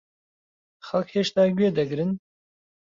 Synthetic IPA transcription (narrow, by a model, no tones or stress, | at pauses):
xɐlkheːʃt̪ɑːɡɥeːd̪ɐɡɨɾɨn